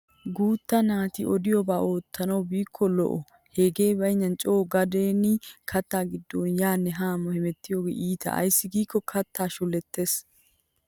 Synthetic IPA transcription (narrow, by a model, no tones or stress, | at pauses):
ɡuːt̪ːɐnaːt̪ɪʔɔd̪ɪjɔbaːʔo̞ːt̪ːɐnɐwbiːkʰːɔlɔ̰ʔɔ | heɡe̞ːbɐjɲːɐnt͡ʃʼoːɡɐd̪eːnɪkʰɐt̪ːaːɡɪd̪ːoːnjaːnːɛɦaːmɔhɛmɛt̪ːɪjoːɡḛːʔiːt̪ʰɐ̰ʔɐ̰jsːɪɡiːkːɔkʰɐt̪ːaːʃʊlːɛt̪ʰːe̞ːs